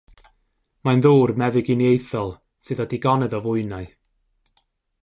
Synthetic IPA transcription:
majnðuːrmɛvɪɡinjejθɔlˠ | sɨðɔdiɡɔnɛðɔvʊɨnaɨ

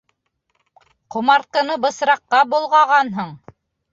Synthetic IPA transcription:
qŏmɑɾt̪̚qɤ̆nɤbɤ̆sɾɑqːɑbulˠʁɑʁɑnɦɤɴ

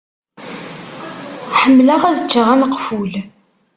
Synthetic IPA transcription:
ħəmːləʁæðət͡ʃːəʁænəqful

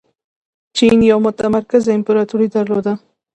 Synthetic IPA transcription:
t͡ʃʰinjɒmot̪amaɾkazempeɾat̪ʰuɾid̪aɾlod̪a

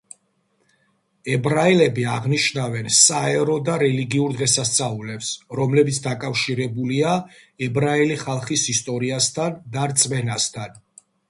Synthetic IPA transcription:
ɛbɾailɛbiaʁniʃnavɛnsaɛɾɔd̪aɾɛliɡiuɾd̪ʁɛsast̪sʼaulɛpsɾɔmlɛbit̪sʰd̪akʼafʃiɾɛbuliaɛbɾailiχalˠχisist̪ʼɔɾiast̪ʰand̪aɾt̪sʼmɛnast̪ʰan

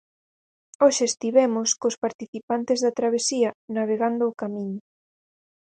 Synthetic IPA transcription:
oʃeːst̪iβɛmʊskospaɾt̪iθipant̪ezðɐt̪ɾaβ̞esiɐnaβ̞eɣand̪ʊːkamĩɲʊ

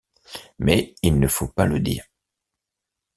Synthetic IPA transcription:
mɛilnəfopaləd̪ḭːʁ

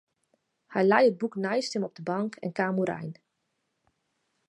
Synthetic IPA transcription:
hɛjlɛjəd̚buknajstɪmɔb̚dəbɑŋkʰɛ̰nkaːmuɾɛ̰jn

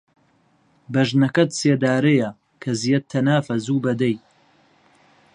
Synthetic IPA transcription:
bɐʒnɐkɐt̪seːd̪aːɾejɐ | kʰɐzijɐt̪ʰːɐnaːfɐzuːbɐd̪ɐj

